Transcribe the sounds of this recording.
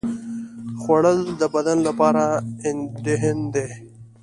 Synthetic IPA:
xwaɽəld̪əbɐd̪anlapɑːɾaɪnd̪eɦend̪e

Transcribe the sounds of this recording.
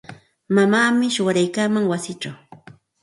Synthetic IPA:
mamaːmɪʃʊwaɾajkaːmaŋwasɪʈ͡ʂaw

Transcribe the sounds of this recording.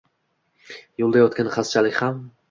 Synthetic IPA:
jolˠd̪ajɒt̪̚kʲanχast͡ʃʰalɪkʲham

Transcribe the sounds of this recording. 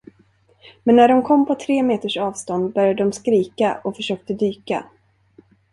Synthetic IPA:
mɛnːæɖɔmkʰɔmːpʰɔt̪ʰɾeːmeːt̪əʂɑːvst̪ɔnd̪̚bœɾjad̪əd̪ɔmskɾiːkaʔɔfœʂøːk̚t̪əd̪yːka̰

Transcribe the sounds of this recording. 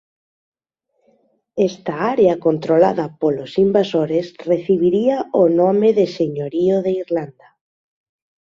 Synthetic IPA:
ɛst̪aaɾeakont̪ɾolaðɐpolosimbasoɾesreθiβiɾiaonomeðeseɲoɾioðeiɾland̪a

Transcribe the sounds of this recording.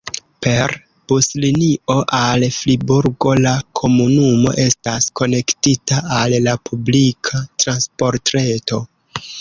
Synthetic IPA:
pe̞ɾ | b̥uslinio̞ʔalflibuɾɡo̞lakʰo̞munumo̞̰ʔe̞stasko̞ne̞ktitaalːapublikʰatɾanspo̞ɾtɾe̞to̞

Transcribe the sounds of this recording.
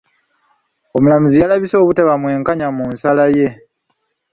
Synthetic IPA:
omulamuzijalaβiso̞ːβuteβamwe̞ːŋkaɲamunsalaje̞

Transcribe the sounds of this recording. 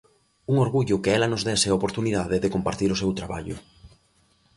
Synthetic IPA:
uŋoɾɣuʎʊkɪɛlɐnʊzðɛseaopoɾt̪uniðaðeðekompaɾt̪iɾʊsewt̪ɾaβa̰ʎʊ̰

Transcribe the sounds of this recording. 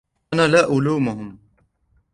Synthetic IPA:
nalaːʔʊluːmʊɦʊm

